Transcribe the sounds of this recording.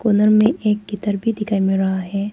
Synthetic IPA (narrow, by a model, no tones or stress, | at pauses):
koːnəɾmẽʔeːk̚ɡɪt̪əɾbʱid̪ɪkaːimɪlɾɐɦaɦɛː